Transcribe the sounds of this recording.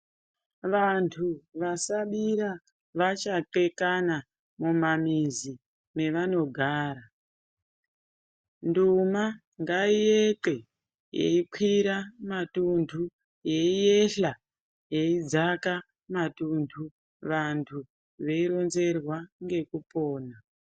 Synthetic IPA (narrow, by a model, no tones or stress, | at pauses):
ʋantʰuʋasaɓiɾa | ʋat͡ʃaǃe̞kana | mumamizi | me̞ʋano̞ɡʱaːɾa | nduma | ŋɡaijeǃe̞ | jḛikʰwiɾamatuntʰu | je̞ijeɬa | jeid͡zaka | matuntʰu | ʋantʰu | ʋe̞iɾo̞nze̞rwaŋɡe̞kupo̞ːna